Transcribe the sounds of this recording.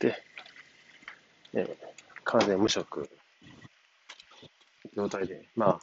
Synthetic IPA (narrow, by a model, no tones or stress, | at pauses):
t̪e | ḛkʰazẽmːɯ̟ɕokɯ̟̰ | ɡʲo̞ːt̪aid̪e̞maː